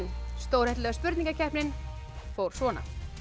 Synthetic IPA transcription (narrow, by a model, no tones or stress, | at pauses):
nst̪oːwɾhɛht̪lɛːɣaspʏɾt̪niŋkacʰɛhpnɪn | fowɾ̥svɔːna̰